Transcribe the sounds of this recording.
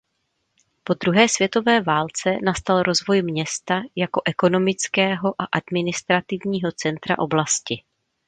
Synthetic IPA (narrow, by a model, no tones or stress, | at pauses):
po̞d̪ɾuɦɛːsv̥jɛt̪o̞vɛːvaːlt͡sɛnast̪alɾo̞zvo̞jmɲɛst̪ajako̞ʔɛko̞no̞mɪt͡skɛːɦo̞ʔaʔadmɪnɪst̪ɾat̪ɪvɲiːɦo̞t͡sɛnt̪ɾa̰ʔo̞blascɪ